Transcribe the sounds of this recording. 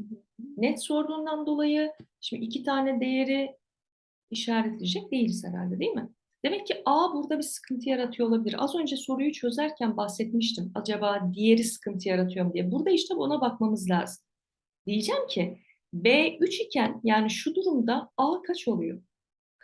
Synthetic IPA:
ɦ̩ | nɛt̪so̞ɾd̪uːnd̪and̪o̞lˠajɯʃimiicʰit̪ʰaːnɛd̪e̞jeɾi | iʃaːɾɛt̪ʰled͡ʒɛc̚d̪e̞jilʲsɛ̰ɾa̰lʲd̪ɛd̪ejmɪ | d̪̥e̞mɛcːiʔaːbuɾd̪abisɯ̥kʰɯnt̪ʰɯjaɾat̪ʰɯjolˠabilʲiɾʔa̰zø̞nd͡ʒaso̞ɾujut͡ʃʰø̞zæɾcʰænbaxsɛt̪miʃt̪ʰimad͡ʒabaːd̪ije̞ɾisɯ̥kʰɯnt̪ʰɯjaɾat̪ʰɯjo̞ɾmd̪ijɛbuɾd̪aiʃt̪ʰɛbo̞nabakmamɯzlʲa̰ːzɯm | d̪̥ijid͡ʒæmcʰɪ | beːyt͡ʃicʰænjaːniʃud̪uɾumd̪aaːkʰat͡ʃʰo̞lˠujo

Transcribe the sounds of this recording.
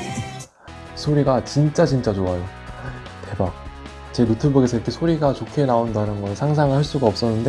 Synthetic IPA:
sʰoɾiɡat͡ɕint͡ɕ͈at͡ɕint͡ɕ͈at͡ɕoajo | te̞ba | t͡ɕeɾutʰɯbuɡesʰʌiɾikʰe̞sʰoɾiɡat͡ɕokʰe̞naondanɯnɡʌsʰaŋs̬ʰaŋɯɭhaɭs͈uɡaʌp̚s͈ʌnːɯnde̞

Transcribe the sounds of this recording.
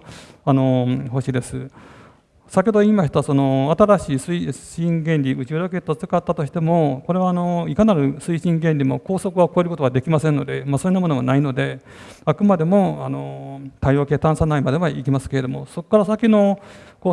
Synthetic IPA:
ano̞ɦo̞ɕiːd̪e̞sɨ | sakʲeod̪oimaɕi̥t̪aaso̞no̞at̪aɾaɕiːsɨiɕĩŋɡẽ̞nʲɾʲiɯ̟t͡ɕiɾoke̞t̪ːot͡sɨ̥kat̪ːat̪o̞ɕi̥t̪e̞mo̞ko̞ɾe̞βaːno̞ikanaɾɯ̟sɨiɕĩŋɡẽ̞nʲɾʲimo̞ko̞ːso̞kɯ̟βako̞e̞ɾɯ̟ko̞t̪oβad̪e̞kʲimasẽnːo̞d̪e̞masoinːamo̞no̞βanaino̞d̪e̞ | akɯ̟mad̪e̞mo̞ano̞t̪aijo̞ːke̞ːt̪ãɰ̃sanaimad̪e̞βaikʲimasɨ̥ke̞ɾe̞d̪o̞mo̞̰so̞kːaɾasakʲino̞ko

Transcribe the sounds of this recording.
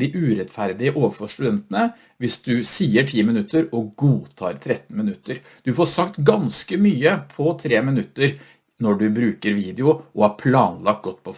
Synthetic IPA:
ɪʔʉːɾɛt̪fæɾd̪ɪəʔoːʋəfɔʂʈ̪ʉd̪ɛnt̪ənə | ʋɪsd̪ʉsiːəʈʰiːmɪnʉt̪ːəɾɔɡuːt̪ʰɑ̰ːɾt̪ʰɾɛt̪ːn̩mɪnʉt̪ːəɾ | d̪̥ʉfɔsɑkt̪ɡɑnskəmyːəpʰɔt̪ʰɾeːmɪnʉt̪ːəɾ | nɔɖʉbɾʉːkəɾʋiːd̪ɪʊʔɔhɑɾpʰlɑːnlɑk̚t̪̚ɡɔt̪ːpʰɔf

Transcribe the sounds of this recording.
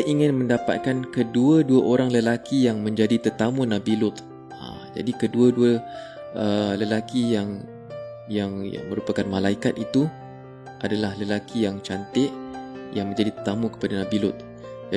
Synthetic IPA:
ʔiŋɪ̃nmə̃ndapa̰t̪̚kankəduəduaʔoɾaŋləlakijaŋmə̃ɲd͡ʒadit̪ərt̪amunãbilʊt̪ | a̰ | d͡ʒa̰dikəduəduə | ʔələlakijaŋ | jaŋja̰ŋmə̃ɾupakanmãlaikat̪̚it̪u | ʔadalahləlakʰijaŋt͡ʃant̪ɪʔjaŋmə̃ɲd͡ʒadit̪ərt̪amũkə̥padanãbilʊt̪̚ | d͡ʒa

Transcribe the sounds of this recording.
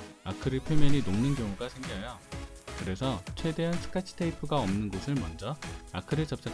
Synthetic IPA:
akʰɯɾɯɭpʰjemjʌɲinomnɯnkjʌŋuɡasʰe̞ŋɡiɦajokɯɾe̞sʰʌt͡ɕʰwe̞de̞ɦansʰɯ̥kʰat͡ɕʰi̥tʰeipʰɯɡaʌmnɯnɡosʰɯɭmʌnd͡ʑʌakʰɯɾɯɭt͡ɕʌp̚t͡ɕ͈a

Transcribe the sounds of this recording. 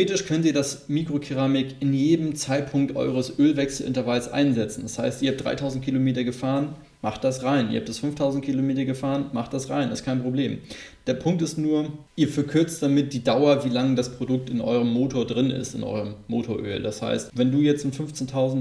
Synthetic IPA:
ʁeːtɪʃkʰœntiːɐdasmiːkʁ̥okʰeʁaːmɪkɪnjeːdəm̩t͡saɪt̚pʰʊŋk̚tʔɔ̰ʏʁ̞əsʔøːlvɛksl̩ʔɪ̰ntɐvalsʔa̰ɪnzɛt͡sn̩dashaɪstiɐhaːp̚d̥ʁa̰ɪtʰaʊzn̩tkʰilomeːtɐɡəfaːʁən | maχt̚d̥asʁaɪnḭɐaptd̥asfʏnftʰaʊzn̩t̚kʰilomeːtɐɡəfaːʁənmaχtd̥asʁaɪnɛstkʰaɪnpʁ̥obleːm | d̥eːɐpʰʊŋk̚tɪstnuːɐʔiːɐfɛɐkʰʏɐt͡st̚d̥amɪt̚d̥iːdaʊɐviːlaŋdaspʁ̥odʊk̚tɪnʔɔ̰ʏʁ̞əmːoːtʰoːɐdʁɪnɪ̰stɪ̰nʔɔ̰ʏʁəmːo̰ːtʰoɐʔø̰ːldasha̰ɪstvɛnduːjɛt͡stʊmfʏnft͡sentʰaʊzn̩

